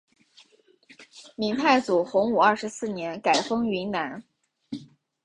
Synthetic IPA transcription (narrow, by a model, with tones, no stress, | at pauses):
mi˧˥ŋt̪ʰa˥˩ɪt͡su˨˩xʊ˧˥ŋu˨˩ɐ˞˥˩ʂɻ̩˧˥sɹ̩˥˩njɛ˧˥nka˨˩ɪfɤ˥ŋi˧˥nna˧˥n